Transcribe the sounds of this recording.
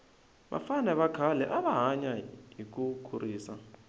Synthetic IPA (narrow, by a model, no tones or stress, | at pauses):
ɓa̰fanɛβakʰalɛʔaβaɦaɲaɦik̬ukʰuriːsa